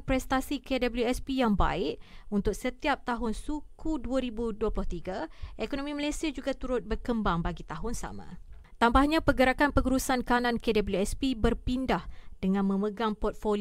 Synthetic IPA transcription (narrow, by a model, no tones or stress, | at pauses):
pɾɛst̪asikedabəljuɛspijaŋba̰ɪʔunt̪ʊk̚sət̪iap̚t̪aɦʊnsukʰuduaɾibuduəplʊht̪iɡaʔekonõmiməlasiad͡ʒuɡat̪uɾʊt̪̚bərkəmbaŋbaɡit̪aɦʊnsa̰mã̰ | t̪ambahɲãpəɡəɾakanpəŋuɾusankanãnkedabəljuɛspibərpindahd̥əŋãnmə̃məɡaŋpɔrt̪̚fol